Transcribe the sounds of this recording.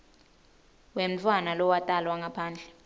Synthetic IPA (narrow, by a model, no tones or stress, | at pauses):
wem̩t͡fʰwanalɔwatʼalwaŋɡapʰaːnd͡ɮʱɛ